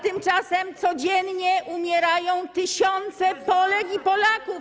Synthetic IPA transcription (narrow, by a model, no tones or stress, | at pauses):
t̪ɘmt͡ʂasɛmt̪sɔd͡ʑɛnɲɛʔumʲjɛɾajɔ̃w̃t̪ɘɕɔnt̪sɛpɔlɛkipɔlakuf